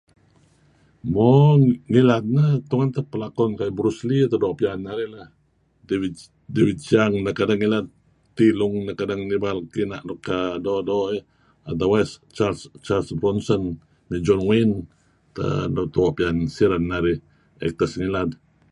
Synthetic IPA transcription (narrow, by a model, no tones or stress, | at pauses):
mɔŋilad̪̚nət̪uŋant̪əpəlakɔnkajbɾuslit̪adoʔpianːaɾila | devid̪̚t͡ʃaŋnakadaŋːilat̪̚ | t̪iluŋnakadaŋnibalkinaʔnɔkːadodoʔi | ad̪awast͡ʃalst͡ʃalsbɾɔnsɔn | mid͡ʒɔnwin | t̪ə̰dot̪uoʔpiansiɾanːaɾi | ɛ̰k̚t̪asŋilad̪̚